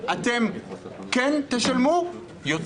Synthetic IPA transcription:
ʔat̪emkent̪eʃalmu | jot̪

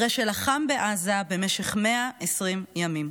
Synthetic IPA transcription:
ʁeʃelaχambeʔazabe̞meʃeχmeaʔesʁimjamim

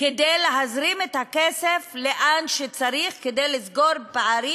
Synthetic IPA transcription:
ked̪ejleɦazɾimet̪hakesefleʔanʃet͡saɾiχked̪ejlizɡo̞ɾpaaɾi

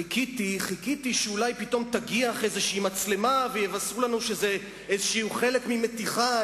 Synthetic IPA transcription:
ikit̪iχikit̪iʃeulajpit̪o̞mt̪aɡiaχezeʃiːmat͡sle̞mavejevasʁulanuʃe̞ze | ezeʃiuχe̞le̞kmime̞t̪iχa

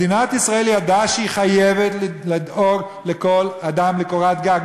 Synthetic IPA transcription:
inat̪isʁaelijad̪aʃeiχajevet̪llid̪o̞ɡ | leko̞lad̪amlekoʁat̪ɡaɡ

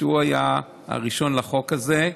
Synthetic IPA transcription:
uaja | a̰ʁiʃo̞nlaχo̞kaze̞

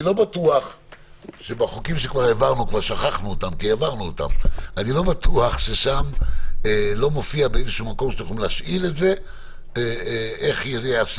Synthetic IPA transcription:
lo̞batuaχ | ʃe̞baχokimʃekvaʁevaʁnukvaʁʃaχaχnuot̪amkievaʁnuota̰manilo̞batuaχʃe̞ʃamelo̞mofiabeezeʃumako̞mʃt͡suχimlaʃʔile̞tze̞ | eeχjeas

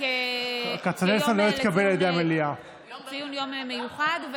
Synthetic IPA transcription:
kat͡sanelsanlo̞it̪kabelajed̪eamelia | t͡sijunjomemejuχad̪v

